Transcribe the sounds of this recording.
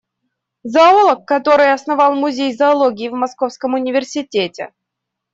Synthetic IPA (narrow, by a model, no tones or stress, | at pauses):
zɐolˠəkːɐt̪o̞ɾɨjɐsnɐvɑlˠmʊzʲejzɐɐlˠoɡʲɪːvmɐskofskəmʊnʲɪvʲɪrsʲɪtʲetʲɪ̰